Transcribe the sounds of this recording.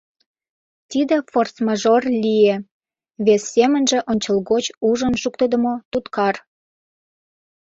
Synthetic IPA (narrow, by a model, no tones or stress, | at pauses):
t̪id̪ĕforsmɑʒorlʲie | βesːemə̆nʒĕʔonʲt͡ɕɤlɣot͡ɕuʒənʃukt̪əd̪ə̆mot̪ut̪kɑr